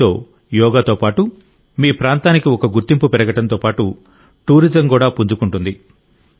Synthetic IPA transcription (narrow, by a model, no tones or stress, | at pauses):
oː | jɔːɡaːt̪oːpaːʈu | miːpɾaːnt̪aːnikiɔkɐɡuɾt̪impupɛɾɐɡɐʈɐnt̪o̞ːpaːʈu | ʈuːɾid͡ʒɐmkuːɽaːpuɲd͡ʒukuɳʈund̪i